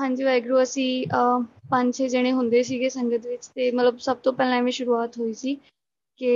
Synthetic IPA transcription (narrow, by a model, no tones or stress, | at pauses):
ɦãːɲd͡ʒiːʋɛːɪɡɾuːəsĩːəpəɲt͡ʃeːd͡ʒeɽ̃eːɦʊ̃nd̪eːsiːɡeːsəŋɡət̪ʋɪt͡ʃt̪eːmət̪ləbsəb̚t̪õːpɛːlãːʋĩːʃʊɾuːaːt̪ɦoːiːsiː | kɪ